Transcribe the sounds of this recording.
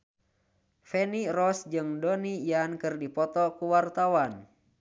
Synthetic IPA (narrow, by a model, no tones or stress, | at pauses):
fɛnirɔsd͡ʒɨŋdɔnijankɨrdipɔt̪ɔkuwart̪awan